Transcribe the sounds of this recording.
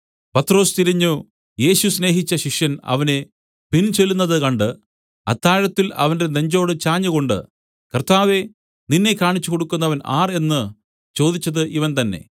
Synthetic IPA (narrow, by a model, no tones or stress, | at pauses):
pɐt̪ːro̞ːst̪iɾiɲːu | je̞ːɕusne̞ːɦit͡ɕːɐɕiʂjɐnɐ̰ʋɐne̞ | pint͡ɕe̞lːunːɐðɨkɐɳɖɨ | ɐ̰t̪ːaːɻɐt̪ːilɐ̰ʋɐnde̞ne̞ɲd͡ʑo̞ːɽɨt͡ɕaːɲːuɣo̞ɳɖɨ̰ | kɐrt̪aːʋe̞ | ninːe̞kːaːɳit͡ɕːuko̞ɽukːunːɐʋɐna̰ːre̞nːɨ | t͡ɕo̞ːd̪it͡ɕːɐðɨʔiʋɐnt̪ɐnːe̞̰